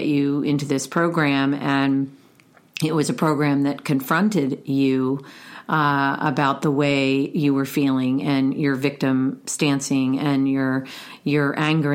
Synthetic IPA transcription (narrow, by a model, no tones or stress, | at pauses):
t͡ʃʉɪ̃ntʉðɪspʰɹ̥oʊɡɹæ̃mɨ̃n | ɪt̚wʌzɨpʰɹ̥oʊɡɹæ̃mðɨt̚kʰɨ̃ɱfɹʌ̃ntɪdjʉ | ə̰baʊt̪̚ðəweɪjɨwə˞filˠɪ̃ŋɨ̃njə˞vɪk̚tɨ̃mstæ̃nsɪ̃ŋɨ̃njə˞ | jə˞ʔæ̃ŋɡə˞